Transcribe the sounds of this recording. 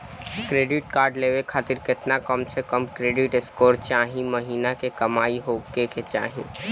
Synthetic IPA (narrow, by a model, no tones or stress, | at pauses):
kɾeːɖɪʈkaːɾɖleːʋekʰaːt̪ɪɾkɪt̪nakəmsekəmkɾeːɖɪʈɪskoːɾt͡ʃaːɦĩmɐɦiːnakekɐmaːiɦoːkeket͡ʃa̰ːɦĩ